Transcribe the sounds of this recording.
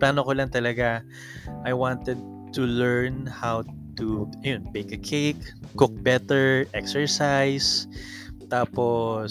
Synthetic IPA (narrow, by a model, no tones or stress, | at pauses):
plaːnokolaŋt̪ɐlɐɡa | ʔɐjwãnt̪ɛd̪̚ | t̪ulɛɹnhaw | t̪uɐjonmejkɐkʰejkːʊk̚bɛt̪ɛɹʔɛksɛɹsajs | t̪aːpo